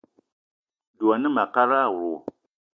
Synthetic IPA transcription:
du˨ɔ˨nɨ˦ma˨ka˦ɾaː˦˨wu˨ɾu˨

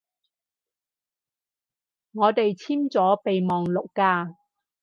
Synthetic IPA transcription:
ŋɔː˨˧t̪e˨jt͡sʰiː˥mt͡sɔː˨˥pe˨jmɔː˨ŋlʊ˨kːaː˧

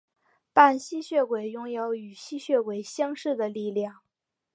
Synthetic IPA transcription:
pa˥˩nɕi˥ɕɥɛ˥˩kwe˨˩ɪjʊ˥ŋjo˧˥ʊy˨˩ɕi˥ɕɥɛ˥˩kwe˨˩ɪɕjɑ˥ŋʂɻ̩˥˩d̪ə˩li˥˧ljɑ˥˩ŋ

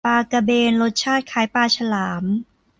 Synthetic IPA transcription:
paː˧ka˧beː˧nlo˦˥t̪̚t͡ɕʰaː˥˩t̪̚kʰaː˩˦jpaː˧t͡ɕʰa˧laː˩˦m

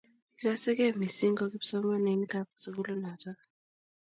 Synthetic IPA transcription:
i˨k̬a˦sɛ˦k̬ɛ˦˨mi˨si˦ŋɡɔ˦k̬e˦bi̥˦sɔ˦ma˦ne˨˦ni˦kʰa˦p̚u̥se˨k̬u˦lɔ˦naː˨t͡ʃʼa˦

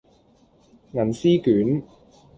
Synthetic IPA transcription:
ŋɐ˨˩nsiː˥kyː˨˥n

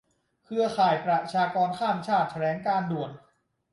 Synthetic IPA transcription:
kʰɯ˧ɐkʰaː˨˩jpɾa˨˧t͡ɕʰaː˧kɔː˧nkʰaː˥˩mt͡ɕʰaː˥˩t̪̚t͡ɕʰa˧ɾɛː˩˦ŋkaː˧ndu˨˩ən̚

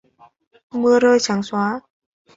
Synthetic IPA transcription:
mɯ˧əɾɤː˧˩jt͡ɕʰa˨˩˦ŋswaː˧˦˥

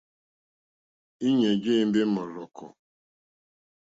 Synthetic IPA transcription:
i˦ɲe˨ɡɪ˦n̩˦dɪ˦mɔ˨ɾɔ˨kʰɔ̰˨

